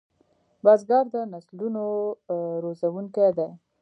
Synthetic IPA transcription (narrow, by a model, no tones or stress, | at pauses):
bɑzɡɑɾd̪ənasluno | ɾozawuŋked̪a